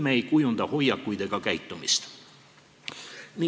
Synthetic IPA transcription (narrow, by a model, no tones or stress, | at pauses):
meejkujund̪ɑho̞jːɑkːujd̪̥e̞ɡ̥ɑkæjt̪ːˑumist̪ | mi